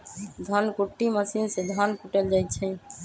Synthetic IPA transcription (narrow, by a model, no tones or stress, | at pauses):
d̪ʱənkuʈːiməsinsed̪ʱənkuʈəld͡ʒajt̪̚t͡ʃʰɛ